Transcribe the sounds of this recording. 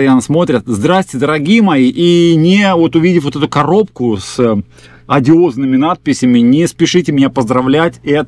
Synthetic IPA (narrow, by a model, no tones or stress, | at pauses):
ɐjanəsmo̞t̪ɾʲɪt̪̚zd̪ɾasʲtʲɪd̪əɾɐɡʲijəmɐiʔinʲɪvo̞t̪ʊvʲidʲɪfvot̪ɛt̪ʊkɐɾo̞p̚kʊs | ɐdʲɪo̞znɨmʲɪnat̪̚pʲɪsʲɪmʲɪnʲɪspʲɪʂɨtʲɪmʲɪnʲapəzd̪ɾɐvlʲætʲɛt̪